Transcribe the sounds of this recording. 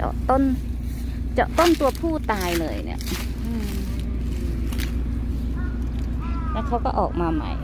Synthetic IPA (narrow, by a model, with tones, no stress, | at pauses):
t͡ɕɔ̰˨˩t̪o˥˩n | t͡ɕɔ˨˩t̪o˥˩nt̪u˧ɐpʰuː˥˩t̪aː˧jlɤː˧jnḭ˥˩ɐ˧ | ʔɯː˧˩ | lɛː˦˥˩kʰa˦˥wkɔː˥˩ʔɔ̰ː˨˩k̚maː˧ma̰˦˩j